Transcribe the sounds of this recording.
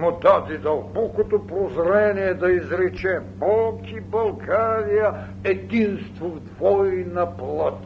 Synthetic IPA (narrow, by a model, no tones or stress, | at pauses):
mod̪ad̪id̪ɐlˠbɔkot̪opɾozɾɛniɛd̪ɐizɾɛt͡ʃɛbɔlˠkibɐlˠɡaɾijə | ɛd̪inst̪vovd̪vɔjnɐplˠat̪